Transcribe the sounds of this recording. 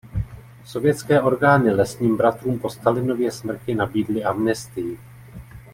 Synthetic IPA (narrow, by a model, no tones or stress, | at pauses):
so̞vjɛtt͡skɛːʔo̞ɾɡaːnɪlɛsɲiːmbɾat̪ɾuːmpo̞st̪alɪno̞vjɛsmr̩cɪnabiːdlɪamnɛst̪ɪjɪ